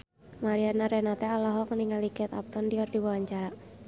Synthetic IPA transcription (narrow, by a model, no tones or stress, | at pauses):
maɾianaɾɛnat̪ɛalɔɦɔkəniŋalikɛt̪a̰p̚t̪ɔndiɔrdiwawaɲt͡ʃaɾa